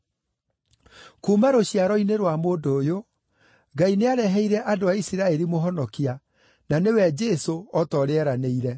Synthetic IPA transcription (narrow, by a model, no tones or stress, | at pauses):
kumaɾoɕiaɾɔineɾwamoːdoːjo | ɡaineaɾɛɦɛiɾɛʔadoaisiɾaɛɾimoɦɔnɔkia | nanewɛd͡ʒɛsoɔtɔɾeɛɾaneiɾɛ